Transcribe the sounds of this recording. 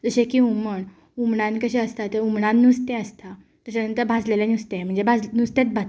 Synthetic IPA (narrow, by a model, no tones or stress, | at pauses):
d͡zəɕẽkiuməɳ | umɳãnkəɕẽəst̪at̪əɾumɳãnnːust̪ɛ̃əst̪a | t̪əɕanənt̪əɾbʱad͡zlelanust̪ẽm̤əɳnd͡zebʱad͡znust̪et͡s̪̚bʱat̪